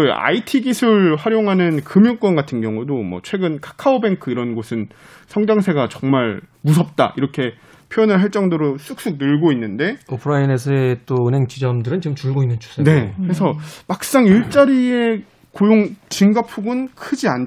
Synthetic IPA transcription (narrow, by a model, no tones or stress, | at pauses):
a̰itʰiɡisʰuɭɸwaɾjoŋɦanɯnkɯmjunk͈wʌnɡatʰɯnɡjʌŋudomwʌ̰t͡ɕʰwe̞ɡɯnkʰḁkʰaobe̞ŋkʰɯiɾʌnɡosʰɯn | sʰʌŋd͡ʑaŋs̬ʰe̞ɡat͡ɕʌŋmaɭmus̬ʰʌp̚t͈a̰iɾʌkʰe̞ | pʰjojʌnɯɭɦaɭt͡ɕ͈ʌŋdoɾos͈ʰuk̚s͈uk̚nɯɭɡoinːɯnde̞opʰɯɾaines̬ʰʌet͈oɯnɦe̞ŋt͡ɕid͡ʑʌmdɯɾɯnt͡ɕimt͡ɕuɭɡoinːɯnt͡ɕʰu̥s͈ʰne̞kɯɾesʰʌmak̚s͈aŋiɭt͡ɕ͈aɾie̞ | kojoŋt͡ɕiŋɡapʰuɡɯnkʰɯd͡ʑian